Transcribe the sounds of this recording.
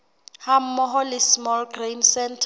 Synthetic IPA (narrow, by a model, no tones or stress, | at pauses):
ham̩ːɔɦɔlɪsmɔlɡrensɛntʰ